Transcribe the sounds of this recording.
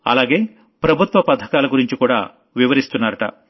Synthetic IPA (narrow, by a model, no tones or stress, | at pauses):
ɐ̰laːɡeː | pɾɐbʱut̪ʋɐpɐd̪ʰʱɐkaːlɐɡuɾiɲt͡ʃikuːɽa̰ː | ʋiʋɐɾist̪unːaːɾɐʈɐ̰